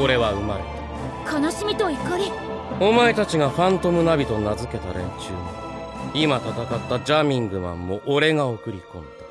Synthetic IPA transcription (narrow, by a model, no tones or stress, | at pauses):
o̞ɾe̞βaɯ̟mai | kʰanaɕimʲit̪o̞ikːaɾʲio̞mae̞t̪at͡ɕiɡaɸãnt̪o̞mɯ̟nabʲit̪o̞nazɨke̞t̪aɾẽ̞̰ɲt͡ɕɨːɲiimat̪at̪akat̪ːad͡ʑamʲĩŋɡɯ̟mã̰mːo̞ʔːɾe̞ɡaokɯ̟ɾʲikõ̞nd̪ḁ